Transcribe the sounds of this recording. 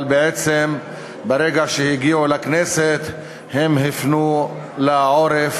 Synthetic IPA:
lbeʕet͡sem | beɾeɡaʃehiɡiʕulakneset̪ | hemɦifnu | laʕo̞ɾef

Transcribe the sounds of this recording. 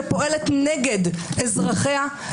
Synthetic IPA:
poʔelet̪neɡed̪ezʁaχea

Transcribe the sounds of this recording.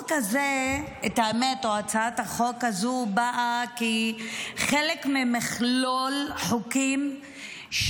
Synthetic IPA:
kazeethaemetoat͡saathaχokazubaʔaki | χelekmimiχlolħokim | ʃ

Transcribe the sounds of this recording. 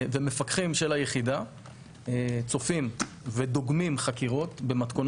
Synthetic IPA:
vemefakχimʃelajeχid̪a | t͡so̞fim | ved̪o̞ɡmimχakiʁo̞t̪be̞mat̪kon

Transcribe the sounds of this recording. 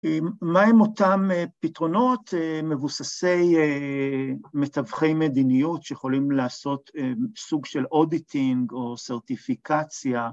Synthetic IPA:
emaemo̞t̪amepitʁo̞no̞t̪eme̞vusase̞je | met̪avχejmed̪inijutʃejeχo̞limlaːso̞t̪esuɡʃelʔo̞d̪it̪ʰiŋɡo̞seʁt̪ifikat͡sja

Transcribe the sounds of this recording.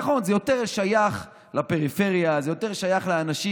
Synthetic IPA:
χo̞nzejo̞t̪eʁlʃajaχ | lape̞ʁife̞ʁjazejo̞t̪e̞ʁlʃajaχlaanaʃi

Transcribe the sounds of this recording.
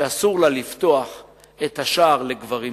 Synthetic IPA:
asuʁlalift̪oaχ | et̪haʃaːʁleɡvaʁi

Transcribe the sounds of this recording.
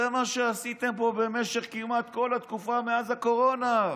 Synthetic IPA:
emaʃeasit̪empo̞be̞meʃe̞χkijumat̪ko̞lat̪kufameazako̞ʁo̞na

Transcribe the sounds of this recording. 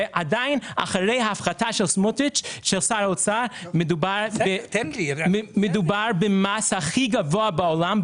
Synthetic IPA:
ʔadaɪna̰χaɾeɪhaafχatʰaʃɛlˠsmʊtɪt͡ʃʃɛlˠsaɾolˠt͡saɾmɪdubaɾb | mɪdubaɾbɪmashaχiɡavoːabaolˠam

